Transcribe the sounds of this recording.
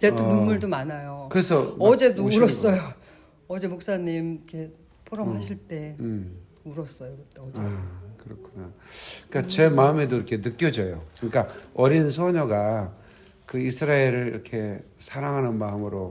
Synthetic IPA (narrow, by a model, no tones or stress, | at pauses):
t͡ɕeumuɭdomanajokɯɾe̞sʰʌʌd͡ʑe̞doɾʌs͈ʌjo | ʌd͡ʑe̞mok̚s͈aɲimkʰe̞ | pʰoɾʌmɦaɕʰiɭt͈e̞m | uɾʌs͈ʌjokɯt͈eʌd͡ʑaekɯɾʌkʰunak͈at͡ɕe̞maɯme̞doiɾʌkʰe̞nɯk͈̚jʌd͡ʑʌjokɯɲik͈aʌɾins̬ʰoɲʌɡa | kɯisʰɯɾaeɾɯɭiɾʌkʰe̞ | sʰaɾaŋɦanɯnmaɯmɯɾo